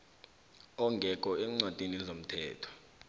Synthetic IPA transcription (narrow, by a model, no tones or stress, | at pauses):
ɔŋɡʱɛk̬ʼɔɛŋ͡ǀwad̥ʱiniɛzom̩tʰɛːtʰɔ̥